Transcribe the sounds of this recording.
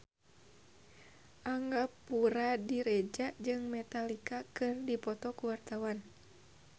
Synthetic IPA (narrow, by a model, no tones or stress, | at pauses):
ʔaŋɡapuɾadiɾɛd͡ʒad͡ʒɨŋmɛt̪alikakɨrdipɔt̪ɔkuwart̪awan